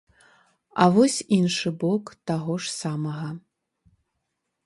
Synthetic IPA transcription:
a̰vɔsʲinʂɨbɔkt̪aɣɔʂsamɐɣɐ

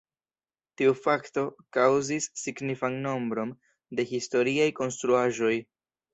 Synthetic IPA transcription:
tiufakto̞kawzisːiɡnifanno̞mbɾo̞m | de̞histo̞ɾiajko̞nst̪ɾuaʒo̞j

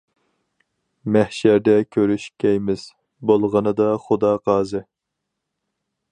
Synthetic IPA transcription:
mæhʃæɾd̪ɛkʲʰøɾyʃkʲɛjmɪz̥ | bolˠʁənɨd̪ɑχʊd̪ɑqɑːzɨ

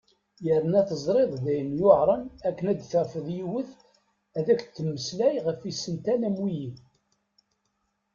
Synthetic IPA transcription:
jəɾənæθəzˤɾˤeðˤðæjənjoʕɾˤənækːənæd̪θəɾfəðjiwəθ | æðækt͡s̪ːəmːəslæjʁəfisənt̪ænæmwiji

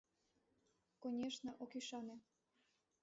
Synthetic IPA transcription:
konʲeʃnɤ̆ʔokiʃɑnĕ

